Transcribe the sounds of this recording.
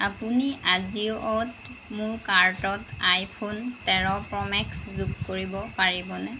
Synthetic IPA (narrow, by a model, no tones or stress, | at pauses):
apuniʔaziʊʔɔtmʊɹkaɹtɔtajpʰontɛɹɔpɹɔmɛkszukkoɹibɔpaɹibɔnɛ